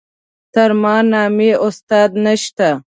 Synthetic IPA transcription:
t̪ɐɾmɑːnɑːmeʔʊst̪ɑːd̪nɐʃt̪a

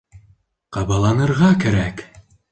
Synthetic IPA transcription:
qɑbɑlˠɑnɤ̆ɾʁɑkæɾæk

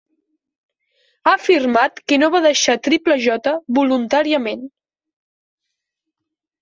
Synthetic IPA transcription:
afirmat̪kənoβaðəʃat̪ɾipləʒɔt̪əβulunt̪aɾiəmen

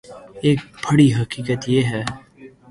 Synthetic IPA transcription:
eːk̚bəɽiɦəkiːkət̪jeːɦɛː

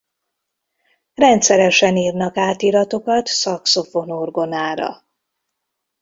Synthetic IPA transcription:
rɛnt̪sɛɾɛʃɛniːrnɒkaːt̪iɾɒt̪o̞kɒt̪sɒkso̞fo̞norɡo̞naːɾɒ̰

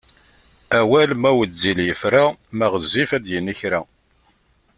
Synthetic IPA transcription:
æwælmæwəziljəfɾamæʁəzːifæðjənːiçɾæ

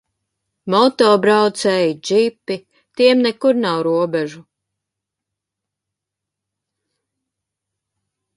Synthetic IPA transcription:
mɔt̪ɔːbɾawt̪sɛjd͡ʒipːi | t̪iɛmnɛkuɾnawɾuɔbɛʒu

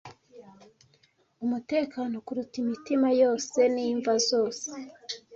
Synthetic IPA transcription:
umute̞ːkano̞kuɾutimitimajo̞ːse̞niːɱvazo̞ːse̥

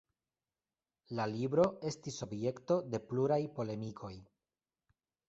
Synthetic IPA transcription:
lalibɾo̞e̞stiso̞bje̞kto̞de̞pluɾajpo̞le̞mikʰo̞j

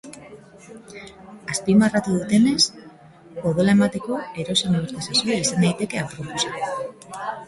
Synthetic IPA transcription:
aspimarat̪uðut̪e̞ne̞s | poðolae̞mat̪e̞ko̞e̞ɾo̞saniβeɾt̪asasoaisand̪ajt̪e̞ke̞apɾo̞posa

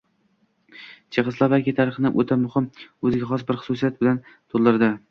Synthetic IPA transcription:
t͡ʃʰɨʁɨslˠavalkʲɪt̪ʰaɾɪχnɪʔot̪ʰamʊhɪmɵzɪɡʲaχɒsbɪɾχʊ̥sʊsijat̪̚bɪlant̪ʰolˠːɪɾd̪ɪ

